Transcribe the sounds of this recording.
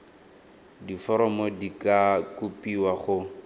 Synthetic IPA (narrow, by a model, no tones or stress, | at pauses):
difɔɾɔmodikʼakʼupʼiwaχʊ